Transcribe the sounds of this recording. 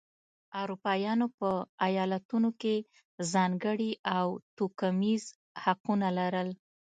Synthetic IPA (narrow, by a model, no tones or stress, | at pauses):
awɾupɑjɑnopəajɑlat̪unoke | zɑŋɡəɽiʔawt̪okamiz | haqunalaɾəl